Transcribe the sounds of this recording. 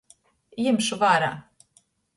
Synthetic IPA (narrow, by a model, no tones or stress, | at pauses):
jimʃuvaːɾa̰ː